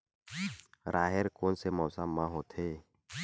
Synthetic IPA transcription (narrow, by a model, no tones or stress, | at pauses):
ɾʔaːɦeɾkoːnsemɔːsamːãɦoːt̪ʰeː